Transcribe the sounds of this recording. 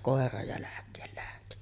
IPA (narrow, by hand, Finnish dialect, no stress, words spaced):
koˑerɑ jælækˑeːl læhti